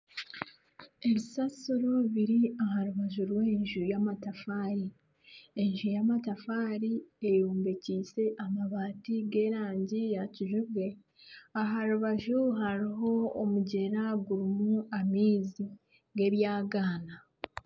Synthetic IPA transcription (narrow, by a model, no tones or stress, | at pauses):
e̞βisasoɾoβiɾiaɦaɾuβaʒuɾwe̞ːɲʒujamatafaːɾi | eɲʒujamatafaːɾiejuːmbeciːse̞ʔamaβaːtiɡe̞ːɾaːɲɟijaciʒuβɡe̞ | aɦaɾuβaʒuɦaɾiɦo̞ːmuɟe̞ɾaɡuɾumuamiːzi | ɡe̞βjaːɡaːna